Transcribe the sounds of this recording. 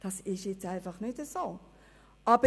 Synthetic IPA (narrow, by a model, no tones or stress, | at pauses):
d̥ɑsɪʃjɛt͡saɪfɑχnɪtəsoː | ʔɑb̥ə